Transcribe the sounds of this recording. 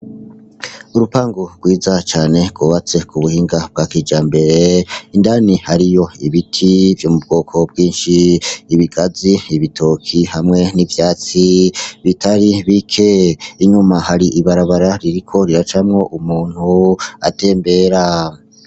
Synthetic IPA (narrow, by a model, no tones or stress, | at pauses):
uɾupaːŋɡoɾɡwiːzat͡ʃaːne̞ɡwuːβat͡se̞kuβuhiːŋɡab̚ɡakiːd͡ʒaːmbe̞ɾe̞indaːnihaɾijo̞iβitʰivjomub̚ɡo̞ːkʰo̞b̚ɡiːnʃiːβiɡaziiβitʰoːkʰihamŋe̞nivjaːt͡siβitʰaɾiβikʰe̞iɲumahaɾiʔiβaɾaβaɾaɾiɾikʰo̞ɾiɾat͡ʃamŋo̞ʔumuːn̥hua̰te̞ːmbe̞ːɾa